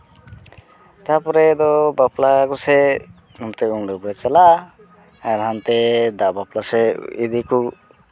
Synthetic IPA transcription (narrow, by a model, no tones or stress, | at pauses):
t̪apɔɾɛd̪ɔbaplakusɛ | numt̪ɛuŋɖubɾɛt͡ʃala | aɾɦant̪ɛd̪aʔbaplasɛid̪iku